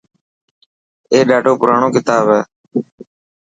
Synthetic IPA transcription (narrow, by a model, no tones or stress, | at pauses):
eːɗaːʈoːpʊɾaːɳõːkɪt̪aːbɦɛː